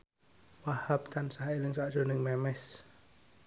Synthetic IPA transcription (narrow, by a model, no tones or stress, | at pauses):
wahap̚t̪ansaɦailəŋsaʔd͡ʒoniŋmɛmɛs